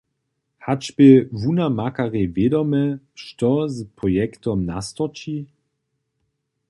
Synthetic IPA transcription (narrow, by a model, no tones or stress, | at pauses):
hat͡ʃbɪvunamakaʁevjedɔmɛ | ʃtɔzpʁɔjɛktɔmna̰st̪ɔt͡ʃi